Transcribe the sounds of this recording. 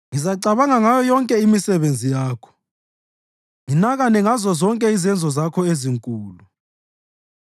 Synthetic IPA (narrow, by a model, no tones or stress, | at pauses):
ŋizaǀaβaŋaŋajɔjɔŋkʼɛimisɛβend͡zʱijaːkʰɔ̥ | ŋinaɣanɛŋazɔzɔŋkʼɛizɛnd͡zʱɔzakʰɔeziŋkʼuːlu